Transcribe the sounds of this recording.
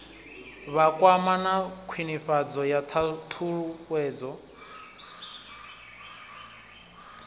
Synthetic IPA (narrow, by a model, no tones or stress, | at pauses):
βakʼwamanakʰwiniɸad͡zɔjat̪ʰat̪ʰuɺuwɛːd͡zɔ